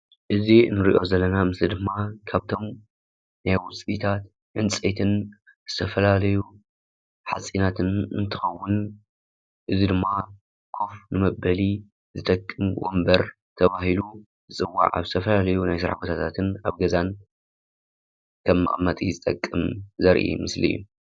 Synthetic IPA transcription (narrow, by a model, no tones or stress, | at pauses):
ʔɨzinɨɾḭʔo̞zɐlːɐnamɨslid̪ɨmːakʰaβt̪ʰo̞m | najwʊt͡sʼit̪ʰat̪ | ʕɨnt͡sʼet̪ʰɨn | z̥ɨt̪ʰɐfɐlalɐju | ħa̰sʼinat̪ʰɨnɨ̰nt̪ʰɨxɐwːʊn | ʔɨzid̪ɨmːa | kʰofnɨmɐbɐli | zɨt̪ʼɐkʼːɨmɡo̰mbɐɾ | t̪ʰɐβahilu | zɨt͡sʼɨwːa̰ʕa̰βzɨt̪ʰɐfɐlalɐjunajsɨɾa̰ħbot̪ʰat̪ʰat̪ʰɨnaβɡɐzan | kʰɐmːɨ̰ʔʼmːɐt̪ʼizɨt̪ʼɐ̰kʼːɨmzɐɾʔḭmɨslɨ̰jːṵ